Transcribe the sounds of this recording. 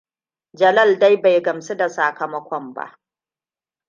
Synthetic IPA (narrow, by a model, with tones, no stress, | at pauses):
d͡ʒɐ˨lɐ˦˨lda˦jba˨jɡɐ˨mse˦da˨saː˨kɐ˨mɐ˦kʷɔ˦mba̰˦ʔ